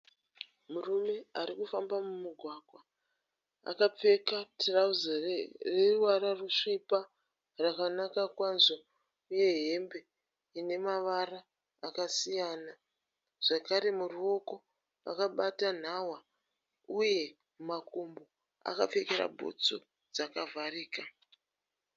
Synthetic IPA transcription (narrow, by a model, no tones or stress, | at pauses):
murume̞aɾikufambamumiɡʱwaɡʱwa | a̰kap͡fe̞katrauzareruwaɾaruʂipa | rakanakakwanzo | uje̞ɦe̞mbe̞ | ine̞maʋaraː | kasijana | ʐ̥akaɾe̞muruo̞ko̞ | a̰kaɓatan̤awa | uje̞ | makombo | a̰ka̰p͡fe̞keɾa̰bʱo̰t͡so | d͡zakavʱariːka